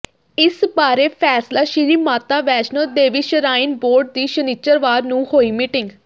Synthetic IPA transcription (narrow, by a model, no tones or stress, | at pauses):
ɪsbaːɾeːpʰɛːslaːʃɪɾiːmaːt̪aːʋɛːt͡ʃnəd̪eːʋiːʃəɾaːɪnboːɾɖ̚d̪iːʃəniːt͡ʃəɾʋaːɾnũːhoːiːmiːʈɪ̃ŋɡ